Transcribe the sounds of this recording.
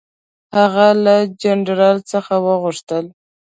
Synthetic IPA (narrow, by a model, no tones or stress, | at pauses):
haɣalad͡ʒanɾɑlt͡səxawəɣʊʂt̪əl